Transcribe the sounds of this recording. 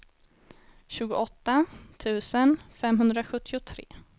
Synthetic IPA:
ɕʉ̟ːɡʊʔɔt̪ːat̪ʰʉ̟ːsənfɛmɦɵnd̪ɾaɧɵt̪ʰːɪʊt̪ʰɾḛː

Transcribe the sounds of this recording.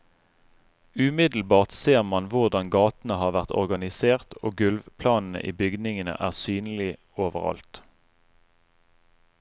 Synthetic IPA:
ʉmɪd̪l̩bɑːʁt̪seːʁmɑnʋʊʁd̪ɑnɡɑːt̪n̩əhɑːʁʋæʁt̪ɔ̰ʁɡɑnɪseːʁt̪ʰoːɡʉlʋpʰlɑːnn̩ə̰ʔḭːbʏɡd̪nɪŋənə̰ʔæːʁsyːnlɪ | oːʋəʁɑ̰lt̪

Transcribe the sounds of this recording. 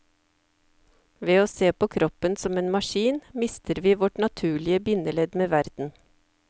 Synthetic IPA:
ʋeːoːseːpʰoːkʰɾʔɔpənsɔmeːnmɑʃiːnmɪst̪ʰəɾʋiːʋɔʈnɑt̪ʰʉːɭɪəbɪnəlɛd̪meːʋæɾd̪̥n̩

